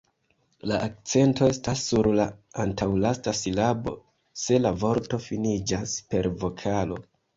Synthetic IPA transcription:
laʔːk̚t͡se̞nto̞e̞stasːuɾlaantawlastasilabo̞̰ | se̞lavo̞ɾto̞finid͡ʒaspe̞ɾvo̞kʰalo̞̰

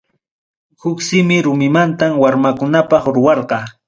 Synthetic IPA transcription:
hʊksɪmɪɾʊmɪmant̪amwaɾmakʊnapɑχɾʊwɑɾqɑ

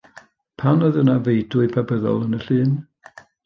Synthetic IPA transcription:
pʰawnɔðənavejdʊɨpʰabəðɔ̰lˠənəɬɨːn

